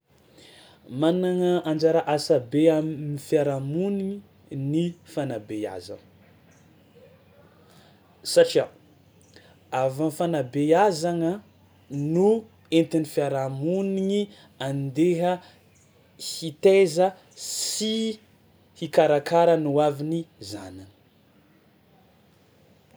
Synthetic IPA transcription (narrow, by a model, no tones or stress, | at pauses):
manaŋəand͡ʒaɾaʔasabeaifjaɾamuniɲi | nifanabea̰za̰n | saʈ͡ʂia | avamfanabeazaŋə | nu | ent̪inifiaɾamuniŋi | and̪eɦə | hit̪ezə | si | hikaɾakaɾənuaviniza̰nanə̥